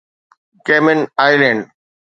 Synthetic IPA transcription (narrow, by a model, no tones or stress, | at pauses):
keːmẽnaːɪlɛ̃ːɳɖ